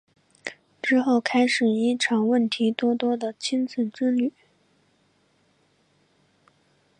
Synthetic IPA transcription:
ʈ͡ʂɻ̩˥xo˥˩ʊkʰa˥ɪʂɻ̩˨˩i˥ʈ͡ʂʰɑ˨˩ŋwə˥˩nt̪ʰi˧˥t̪wɔ˥t̪wɔ˥d̪ə˨t͡ɕʰi˥nt͡sʰə˥˩ʈ͡ʂɻ̩˥ly˨˩˦

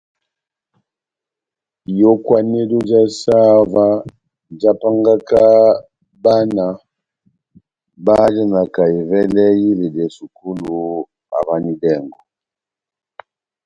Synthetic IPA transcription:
jɔ˦kwa˦nɛ˦lɔ˦d͡ʒa˦sa˦va˦ | d͡ʒa˦pa˦ŋɡa˦ka˦ | ba˦na˨ | ba˦d͡ʒa˦na˨ka˨i˨vɛ˦lɛ˦ji˦lɛ˨dɛ˨su˨ku˦lu˨ | a̰˨βa˦ni˦dɛ˦˨ŋɡɔ˨

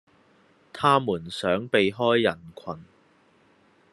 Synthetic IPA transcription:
t̪ʰaː˥muː˨˩nsœː˨˥ŋpe˨˧jɦɔː˥jːɐ˨˩nkʷʰɐ˨˩n

